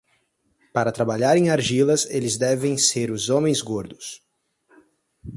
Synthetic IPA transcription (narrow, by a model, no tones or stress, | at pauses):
paɾɐt̪ɾabaʎaɾẽj̃aɾʒilɐselɪzd̪ɛvẽj̃seɾʊzõmẽj̃zɡoɾd̪ʊs